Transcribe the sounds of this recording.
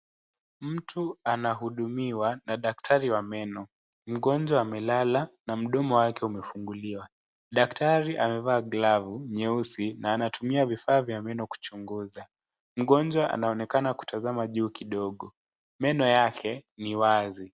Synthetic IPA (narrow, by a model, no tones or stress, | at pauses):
m̩tʰuanaɦuɗumiwanaɗaktʰaɾiwamɛnɔ | m̩ɠɔnd͡ʒwaːmɛlalanam̩ɗɔmɔwakɛumɛfuŋɡuliwa | ɗaktʰaɾiʔamɛvaːɡlavuɲɛusinaːnatumiavifaːvjamɛnɔku̥t͡ʃuŋɡuza | m̩ɠɔnd͡ʒwaʔa̰naɔnɛkanaku̥tʰazamaʄuːkiɗɔɠɔ | mɛnɔjakʰɛniwazi